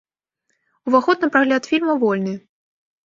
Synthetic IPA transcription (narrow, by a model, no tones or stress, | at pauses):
uvaxɔt̪̚nɐpɾaɣlʲat̪fʲilʲmɐvɔlʲnɨ